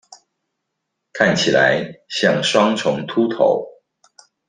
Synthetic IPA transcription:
kʰa˥˩nt͡ɕʰi˨˩la̰˧˥ɪɕjɑ˥˩ŋʂwɑ˥ŋʈ͡ʂʰʊ˧˥ŋt̪ʰu˥t̪ʰo̰˧˥˦ʊ

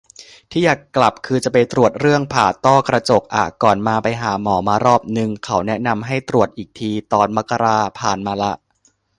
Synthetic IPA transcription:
t̪ʰiː˥˩jaː˨˩kːla˨˩p̚kʰɯː˧t͡ɕa˨˩p̬a˧jt̪ɾu˨˩ət̪̚ɾɯ˥˩əŋpʰaː˨˩t̪ɔː˥˩kɾa˧t͡ɕo˨˩k̚ʔa̰ː˨˩kɔː˨˩nmaː˧pa˧jɦaː˩˦mɔː˩˦maː˧ɾɔː˥˩p̚nɯ˨˩ŋkʰa˦˥wnɛ˦˥ʔna˧mɦa˥˩jt̪ɾu˨˩ət̪̚ʔiː˨˩k̚t̪ʰiː˧t̪ɔː˧nma˦˥kːa˧ɾaː˧pʰaː˨˩nmaː˧la˦˥ʔ

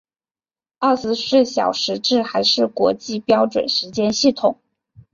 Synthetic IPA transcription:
ɑ˥˩sɹ̩˥ʂɻə˥˩ɕjɑ̰˨˩ʊʂɻ̩˧˥ʈ͡ʂɻ̩˥˩xa˧˥ɪʂɻ̩˥˩kwɔ˧˥t͡ɕi˥˧pjɑ˥ʊʈ͡ʂwə̰˨˩nʂɻ̩˧˥t͡ɕjɛ˥nɕi˥˩t̪ʰʊ˨˩˦ŋ

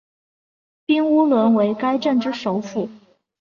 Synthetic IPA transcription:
pi˥ŋu˥lwə˧˥nwe˧˥ɪka˥ɪʈ͡ʂə˥˩nʈ͡ʂɻ̩˥˩ʂo˧˥ʊfu˥˩

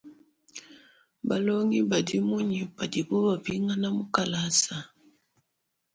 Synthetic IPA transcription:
ba˨lɔ˦ŋi˦ba˨di˦mu˦ɲi˨pa˨di˨bo˦ba˨vi˦ŋa˦na˦mu˦ka˨la˦sa˨

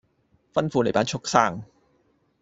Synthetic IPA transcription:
fɐ˥nfuː˧le˨˩jpaː˥nt͡ʃʰʊ˥k̚saː˥˩ŋ

